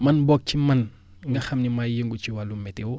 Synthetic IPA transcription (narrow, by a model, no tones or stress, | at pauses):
mɐnbɔk̚cimɐn | ŋɡɐxɐmnimajəŋɡuciwalumɛtewɔ